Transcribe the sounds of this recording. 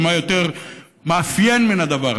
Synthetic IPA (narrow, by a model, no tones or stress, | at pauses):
majo̞t̪eʁ | maːfjenminad̪avaʁ